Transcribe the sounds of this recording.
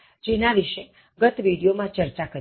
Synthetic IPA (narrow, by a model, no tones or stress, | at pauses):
d͡ʒenaʋiʃe | ɡət̪ʋiɽijomãt͡ʃəɾt͡ʃakəɾ